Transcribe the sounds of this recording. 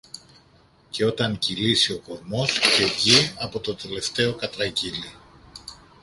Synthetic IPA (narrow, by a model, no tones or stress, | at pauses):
ce̞o̞t̪ɐŋcilisio̞ko̞ɾmo̞sceʝiɐpo̞t̪ot̪e̞le̞ft̪e̞o̞kɐt̪ɾɐcili